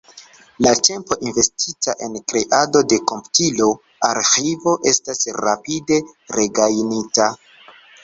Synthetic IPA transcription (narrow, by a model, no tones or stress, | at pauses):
late̞mpo̞ʔinve̞stitaʔe̞nkɾe̞ʔado̞de̞ko̞mpu̥tilo̞ | aɾxivo̞ʔe̞stasɾapide̞ɾe̞ɡajnita